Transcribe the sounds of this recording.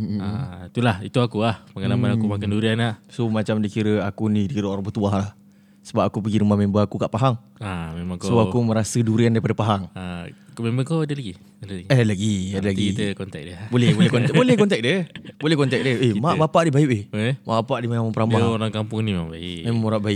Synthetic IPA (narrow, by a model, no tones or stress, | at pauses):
ait̪ulahit̪uakuahpəŋalamanakumakanduɾianaʔsomat͡ʃamdakiɾəakunidikiɾəoɾapət̪uahlah | səbap̚akupəɡiɾəmahmembəakukaʔpaɦaŋ | amemãŋksoakumə̃ɾasəduɾiandaɾipadapaɦaŋakomembəkoadəlaɡi | adəlɡalaɡiadəlaɡit̪əkɔnt̪ɛk̚dəbolɛbolkɔntbolɛhkɔnt̪ɛk̚dəbolɛhkɔnt̪ɛk̚dəemaʔbapaʔdibaiʔehɛma̰ʔbapaʔdimamamapəɾamaoɾaŋkampʊŋnimaʔbaiʔmemaŋmoɾaʔbaik